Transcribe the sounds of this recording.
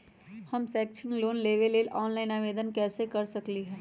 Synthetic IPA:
hɐmsɛːk̚t͡ʃʰɪ̃ŋɡloːnleːʋeleːlʔɔːnlaːɪnaːʋeːd̪ənkɛːsekɐɾsɐkliɦɛː

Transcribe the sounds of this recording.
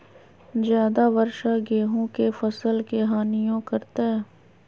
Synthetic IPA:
zjaːd̪aʋəɾʃaɡeːɦõkefɐsəlkeɦaːnijõkɐɾt̪aɦɛː

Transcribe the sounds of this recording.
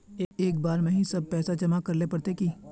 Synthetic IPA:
eːeːkbaːɾmẽɦĩsɐb̚pɛːsad͡ʒɐmakɐɾlepɐɽt̪eki

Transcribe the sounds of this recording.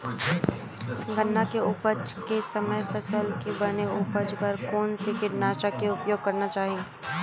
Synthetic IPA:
ɡʱənːakeʊpəd͡ʒkesɐməjpʰɐsəlkebɐneʊpəd͡ʒpɐɾkoːnsekɪʈnaːʃakeʊpjoːɡ̚kɐɾnat͡ʃaːɦie

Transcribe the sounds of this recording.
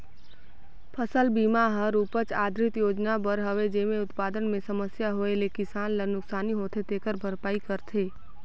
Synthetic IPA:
pʰəsəlbiːmaɦəɾuːpət͡ʃaːd̪ʱɾɪt̪joːd͡ʒnabəɾɦəʋed͡ʒeːmẽʊt̪paːd̪ənmẽsɐməsjaɦoːelekɪsaːnlənʊksaːniɦoːt̪ʰet̪eːkəɾbʱəɾpaːikəɾt̪ʰeː

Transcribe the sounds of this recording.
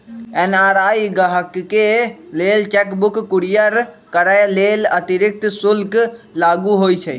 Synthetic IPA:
ɛnaɾajɡəɦəkːelelt͡ʃɛkbukːuɾijəɾ | kəɾəjlelət̪iɾik̚t̪sulklaɡuɦojt͡ʃʰə

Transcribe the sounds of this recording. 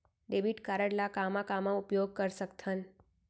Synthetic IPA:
ɖeːbiʈkaːɾəɽlakaːmakaːmãʊpjoːɡ̚kəɾsəkt̪ʰən

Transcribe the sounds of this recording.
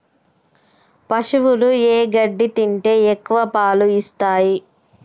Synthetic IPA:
pɐʂuʋulueːɡɐɖːit̪iɳʈe̞ːekːuʋɐpaːluist̪aːji

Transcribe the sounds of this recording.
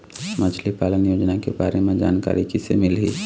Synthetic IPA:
mad͡ʒʰlipaːlənjoːd͡ʒnakebaːɾemẽd͡ʒa̰ːnka̰ːɾikisemɪlɦi

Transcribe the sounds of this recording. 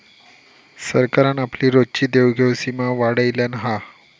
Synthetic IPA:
səɾkaɾanapliːɾodt͡ɕiːd̪ewɡʱewsimaʋaɽəjljanɦa

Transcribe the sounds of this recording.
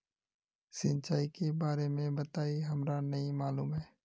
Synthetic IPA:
sɪ̃nt͡ʃaːikebaːɾemẽbət̪aːiɦɐmɾanɐɦĩmaːluːmɦɛː

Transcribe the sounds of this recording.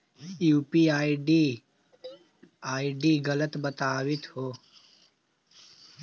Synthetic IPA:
juːpiːaːiɖi | aːiɖiːɡɐlət̪bɐt̪aːwit̪hoː

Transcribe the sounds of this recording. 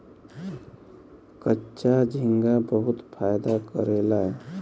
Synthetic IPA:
kətːʃad͡ʒʱĩŋɡabəɦut̪pʰajd̪akəɾelaɦɛ

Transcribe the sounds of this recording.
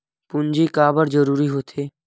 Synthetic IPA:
pʊnd͡ʒikaːbəɾd͡ʒəɾuːɾiɦoːt̪ʰeː

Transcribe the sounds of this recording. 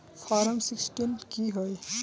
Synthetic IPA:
pʰɔɾəmsiksʈinkiɦoj

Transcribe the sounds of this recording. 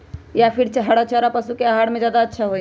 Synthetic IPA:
japʰiɾt͡ʃəɦaɽat͡ʃʰaɾapəsukeəɦaɽmed͡ʒjaːd̪aətːʃʰaɦoj

